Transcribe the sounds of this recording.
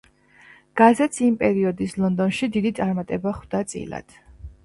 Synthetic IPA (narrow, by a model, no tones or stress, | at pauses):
ɡ̥azɛt̪simpʼɛɾiɔd̪islˠɔnd̪ɔnʃid̪id̪it̪sʼaɾmat̪ʼɛbaχwd̪at̪sʼḭla̰d̪̥